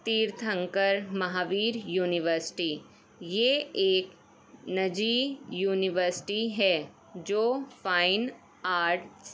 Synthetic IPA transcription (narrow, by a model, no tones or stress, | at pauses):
t̪iːɾt̪ʰə̃ŋkəɾmɐɦaːʋiːɾjuːnɪʋəɾsɪ̥ʈiː | jeeːk | nɐd͡ʒiːjuːnɪʋəɾsɪ̥ʈiɦɛː | d͡ʒoːfaːɪn | aːɾʈs